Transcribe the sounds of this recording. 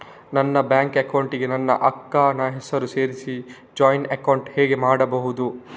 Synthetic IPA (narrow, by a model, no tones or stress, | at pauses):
nɐnːɐbjaːŋkekɐwɳʈiɡe̞nɐnːɐ̰ʔɐkːaːnɐɦɛsɐɾuse̞ːɾisi | d͡ʒaːjnɐkɐwɳʈhɛːɡe̞maːɽɐbɐɦud̪u